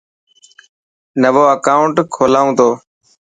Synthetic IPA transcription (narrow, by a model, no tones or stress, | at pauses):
nəʋoːəkaːʊɳʈkʰoːlaːũːt̪oː